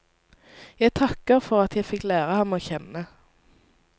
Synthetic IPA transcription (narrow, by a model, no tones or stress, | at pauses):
jæɪt̪ʰɑkəʁfɔʁɑt̪jæɪfɪklæːʁəhɑmːoːçɛnə